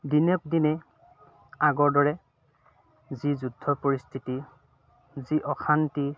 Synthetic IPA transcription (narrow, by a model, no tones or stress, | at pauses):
dinɔk̚dinɛ | aɡɔɹdɔɹɛ | zizudʱːɔpɔɹist̪ʰiti | ziʔɔxʰanti